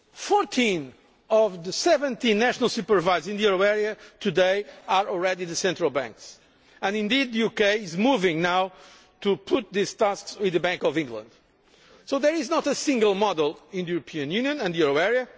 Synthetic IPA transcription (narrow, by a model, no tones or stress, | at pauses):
fɔɹt̪ʰĩn | ɔvðɨsɛvə̃nt̪ĩnːæʃnəlˠsupə˞vaɪzzɨ̃ndɨjuɹoɛɹiɨt̪ʰɨd̪eɪaɹɔlˠɹɛdiðɨsɛ̃ntɹəlˠbæ̰̃ŋks | ɨ̃nĩnd̪id̪̚ðɨjukeɪɪzmuvɪ̃ŋnaw | t̪ʰupʰʊt̪̚ðiz̥taskswɪðɨbæ̃ŋkɔvĩŋɡlə̰̃nd̪̥ | soðɛɹɪznət̪əsĩŋɡəlˠmɔdlˠɪ̃nðɨjuɾɨpʰiɨ̃njʉnjɨ̃nɨ̃ndɨjuɹoɛɹiɨ